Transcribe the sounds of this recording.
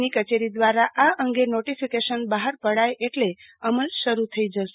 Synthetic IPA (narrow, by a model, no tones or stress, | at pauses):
nikət͡ʃeɾid̪ʋaɾaʔaʔəŋɡenoʈifikeʃənbaɦəɾpəɽajʔeʈle | əməlʃəɾut̪ʰəid͡ʒəʃe